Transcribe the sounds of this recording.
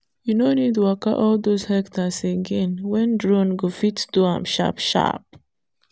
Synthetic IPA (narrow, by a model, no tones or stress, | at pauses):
junonid̚tuaka̰ʔɔld̪oshɛktʰaseɡɛ̃nwɛ̃ndɹɔ̃nɡofitduãmʃa̰pʃa̰p̚